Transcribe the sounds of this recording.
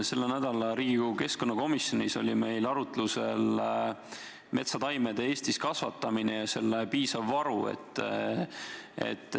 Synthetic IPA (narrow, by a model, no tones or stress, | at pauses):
se̞lːenæd̪̥ɑlɑɾiːɡuke̞sko̞nːɑko̞misjo̞niso̞̰lʲime̞jlɑɾut̪luse̞l | me̞t̪sɑt̪ɑjmed̪̥e̞eːst̪iskɑsvɑt̪ːˑɑminejɑse̞lːepiːsɑvːɑɾue̞̰t̪ːˑ | e̞̰t̪ːˑ